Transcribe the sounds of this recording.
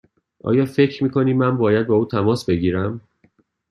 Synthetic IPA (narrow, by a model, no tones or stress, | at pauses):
ʔɒ̰ːjɒːfe̞cʰɾmiːkʰo̞niːmænbɒːjæd̪̚bɒːuːt̪ʰæmɒːsbe̞ɟiːɾæm